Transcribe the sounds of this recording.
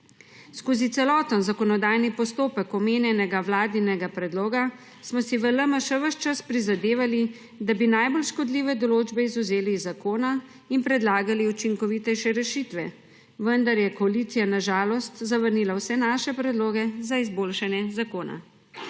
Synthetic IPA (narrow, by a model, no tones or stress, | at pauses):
skoːzit̪sɛlɔːt̪ənzakɔnɔd̪ajnipɔst̪oːpəkɔmeːnjɛnɛɡawlaːd̪ninɛɡapɾɛd̪loːɡa | smɔsiʋələməʃɛʋəʃt͡ʃaspɾizad̪eːʋali | d̪abinajbolʃkɔd̪liːʋɛd̪ɔloːd͡ʒbɛizuzeːlizːakoːna | inpɾɛd̪laːɡaliut͡ʃiŋkɔʋit̪ɛjʃɛɾɛʃiːt̪ʋɛ | ʋənd̪aɾjɛkɔalit̪sijanaʒaːlɔst̪zaʋəɾnilawsɛnaʃɛpɾɛd̪loːɡɛzaizboːlʃanjɛzakoːna̰